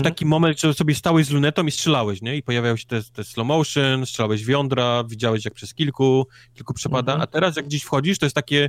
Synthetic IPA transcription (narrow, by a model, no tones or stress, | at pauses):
t̪akʲimɔmɛnd̪ʐɛsɔbʲjɛst̪awɛʑzlunɛt̪ɔ̃mistʂɛlawɛɕɲɛipɔjavʲajɔ̃wɕɛ̥t̪ɛt̪ɛslɔmɔwʂɘnstʂɛlawɛʑvʲjɔnd̪ɾavʲid͡ʑawɛɕjak̚pʂɛskʲilku | kʲilkupʂɛpad̪aʔa̰t̪ɛɾasjaɡd͡ʑeɕfxɔd͡ʑiʂt̪ɔjɛst̪akʲɛ